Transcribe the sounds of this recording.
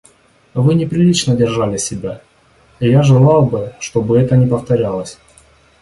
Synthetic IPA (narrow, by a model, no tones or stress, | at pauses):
vɨnʲɪpɾʲɪlʲit͡ɕnədʲɪrʐalʲɪsʲɪbʲa | ijaʐɨlˠɑlˠbɨʂt̪o̞bɨɛt̪ənʲɪpəft̪ɐɾʲalˠəsʲ